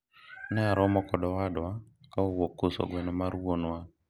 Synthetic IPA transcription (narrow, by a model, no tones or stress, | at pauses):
nɛaɾɔmɔkɔɗɔwaɗa | kaowokosɔ̰ɡwɛnɔmaɾuwonwa